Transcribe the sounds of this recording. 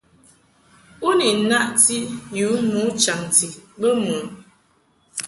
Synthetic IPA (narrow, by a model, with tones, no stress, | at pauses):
u˦ni˨na˦ʔti˦ju˨˦mu˨˦t͡ʃa˨ŋti˨bə˦mu˨˦